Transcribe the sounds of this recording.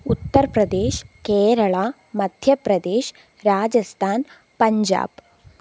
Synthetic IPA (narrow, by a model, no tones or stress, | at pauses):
ut̪ːɐɾɐpɾɐd̪eːʃkeːɾɐɭaː | mɐd̪ʱjɐpɾɐd̪eːʃ | ɾaːd͡ʒɐst̪ʰaːn | pɐɲd͡ʒa̰ːb